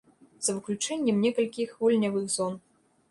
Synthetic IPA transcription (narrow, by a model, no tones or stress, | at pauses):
z̥ɐvɨklʲut͡ʂɛnʲːɛmnʲɛkɐlʲkʲixvulʲnʲɐvɨxzɔn